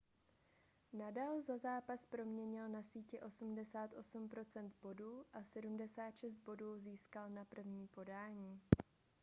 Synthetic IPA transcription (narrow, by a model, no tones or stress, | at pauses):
nadaːlzazaːpaspɾo̞mɲɛɲɪlnasiːcɛʔo̞sumdɛsaːt̪ʔo̞sumpɾo̞t͡sɛnd̪bo̞duːʔasɛdumdɛsaːt̪ʃɛs̬t̪̚bo̞duːziːskalnapr̩vɲiːpo̞daːɲiː